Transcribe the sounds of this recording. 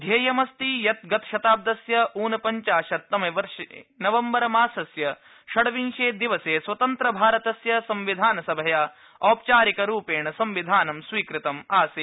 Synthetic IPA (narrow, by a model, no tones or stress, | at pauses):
d̪ʱjɐːjɐmɐst̪ijɐt̪̚ɡɐt̪ʃɐt̪aːb̚d̪ɐsjɐuːnɐpɐɲt͡ʃaːʃɐt̪ːɐmɐjʋɐɾʃɐnɐʋɐmbɐɾɐmaːsɐsjɐ | ʃɐɽɐʋinʃeːd̪iʋɐseːsʋɐt̪ɐnt̪ɾɐbʱaːɾɐt̪ɐsjɐsɐmʋid̪ʱaːnɐsɐbʱɐjaː | ɔːp̚t͡ʃaːɾikɐɾuːpeːɳɐsɐmʋid̪ʱaːnɐmsʋiːkɾit̪ɐmaːseː